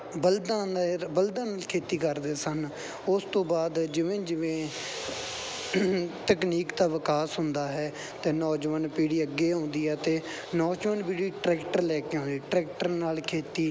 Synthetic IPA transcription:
bəld̪ãːnbəld̪ãːnaːlkʰeːt̪iːkəɾd̪eːsən | ʊst̪õːbaːd̪d͡ʒɪʋẽːd͡ʒɪʋẽː | t̪əkniːkt̪aːʋɪkaːsɦʊnd̪aːɦɛː | t̪eːnɔːd͡ʒʋənpiːɽiːəɡːeːõːnd̪iːɛːt̪eː | nɔːd͡ʒʋənpiːɽiːʈɾɛːkʈəɾlɛːkeːõːnd̪iːʈɾɛːk̚ʈəɾnaːlkʰeːt̪iː

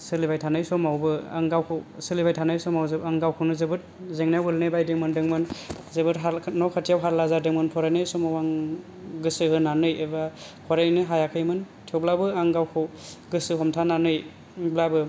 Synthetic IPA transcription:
sɯlibajtʰanajsɔmawbɯa̰ŋɡawkʰɯwsɯlibajtʰanajsɔmawzɯaŋɡawkʰɯwnɯzɯbɯt̚ | zeŋnaɡɯlnɯjbajdeŋmɯndɯŋmɯnzebɯɾɦanɔkʰatʰijawɦaɾlazadɯŋmɯnpʰɔɾajnɯjsɔmawaŋ | ɡɯsɯhɯnanɯjebakʰɔɾajnɯɦajakʰɯjmɯn | tʰiɔwblabɯaŋɡawkʰɯwɡɯsɯɦhɔmtʰananɯj | blabɯ

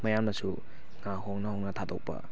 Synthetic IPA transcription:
mɐjamnɐsu | ŋahoŋnɐhownɐtʰado̰k̚pɐ̰

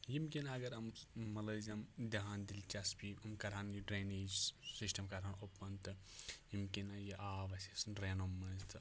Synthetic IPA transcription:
jimkʲinɐɡɐɾɐmmɐlɐzɐmd̪ɐɦãːnd̪ilʲt͡ʃaspiɐmkɐɾaːnjiɖɾeːniːd͡ʒsisʈɐmkɐɾaːnopːɐnt̪ɨjimkinɐjiʔaːʋɐsesɨnɾeːnomːɐzt̪ɨ

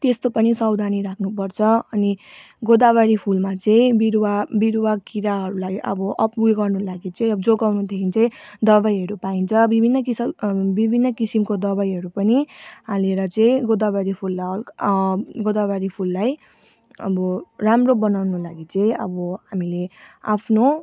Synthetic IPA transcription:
t̪est̪opʌnisʌwd̪ʱaniɾakʰnupʌrt͡sʰʌʌni | ɡod̪aβaɾipʰulmat͡sʌ̃ĩbiɾwabiɾwakiɾaɦʌɾulaiʔʌbʌʔʌpuɡʌrnulaɡit͡sʌ̃ĩʌbʌd͡zoɡawnud̪ʱekʰint͡sʌĩd̪ʌβajɦʌɾupaint͡sʰʌbibʱinːʌkisʌbibʱinːʌkisimkod̪ʌbajɦʌɾupʌniɦaleɾʌt͡sʌ̃ĩɡod̪abaɾipʰulːa | ɡod̪abaɾipʰulːaj | ʌ̰bʌramrobʌnawnolaɡit͡sʌ̃ĩʌ̰bʌɦamileapʰno

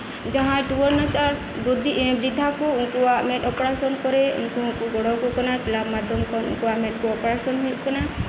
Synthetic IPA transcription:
d͡ʒaɦãʈuwɔɾnat͡ʃaɾ | bɾud̪ʱibɾid̪ʱakuũkuwameʈɔpɔɾasɔnkɔɾeṵnkuɦũkuɡɔɽɔkukɔnakilabmad̪ʱɔmkɔṵnkuwameʈ̚kuɔpɔɾasɔnɦujʔ̚kɔna

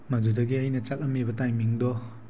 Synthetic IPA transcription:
madudɐɡiɐjnɐt͡ʃalɐmebɐtajmiŋdɔ

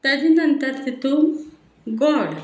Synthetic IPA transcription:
t̪ɐd̪inɐnt̪ɐɾt̪it̪u | ɡɔɽ

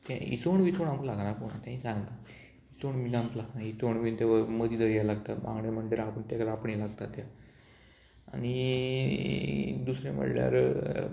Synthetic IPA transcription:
t̪aḭsoɳʋit͡soɳampulaɡnapoɽ̃a̰t̪jãɦĩsãŋɡna | it͡soɳminamplaɡnait͡soɳʋint̪aʋəməd̪ʱiːd̪əɾjalaɡt̪at̪ma̰ŋɡɳem̤əɳɖeɾapəɳt̪akəɾapəɳjelaɡt̪at̪ja | a̰ñi | d̪usɾem̤ə̰ɽlja̰ɾ

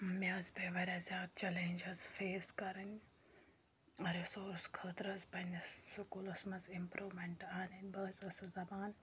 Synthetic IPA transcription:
mʲjaːzbeʋɐɾʲazjaːd̪̚t͡ʃɛlẽnʲd͡ʒɐzfeːskɐɾɐnʲ | ɐɾisoːɾskʰɐːt̪ɾɐzpɐnʲsʊkulɐsmɐzɪmpɾʔuːʋmẽɳʈaːnɐnʲbɐzɐsɐzɐbaːn

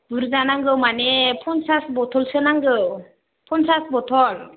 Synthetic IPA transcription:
b̥uɾzanaŋɡɯwmanɛpʰɔnsasbɔt̪ʰɔlsɯnaŋɡɯw | pʰɔnsasbɔtʰɔl

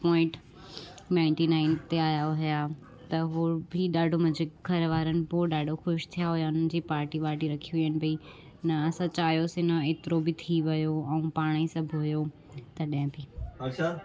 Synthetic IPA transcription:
pɔ̃ːɪ̃ɳʈ | nãːɪ̃ɳʈinaːɪnt̪eaːjaɦʊja | t̪ɐɦoːbʱiɗaːɖʱomɐ̃d͡ʑekɡʱɐɾʋaːɾənɪ̆poɗaːɖʱoxʊʃt̪ʰijaɦujaʊn̤ənɪ̆d͡ʑiːpaːɾʈiʋaːʈiɾɐkʰiijənɪ̆bi | nɐːsɐ̃t͡ɕaːjosẽnɐeːt̪ɪɾobɪt̪ʰiʋɐjoɛ̃ũpaːɽ̃isɐ̃bʱɦʊjo | t̪ɐɗɐɪ̃bʱiɐɕʰa

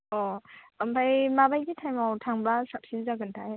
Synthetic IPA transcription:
ɔampʰajmabajɡitʰajmawtʰaŋbasap̚sinzaɡɯntʰaj

